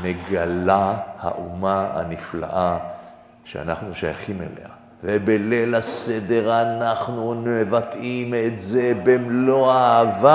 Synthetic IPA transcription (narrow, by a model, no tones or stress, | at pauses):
meɡalaha̰ʔumaa̰nifla̰ʔa | ʃea̰naχnuʃaja̰χimḛlḛa | vebelelased̪eʁanaχnunmevat̪imet̪zebemlo̞aːva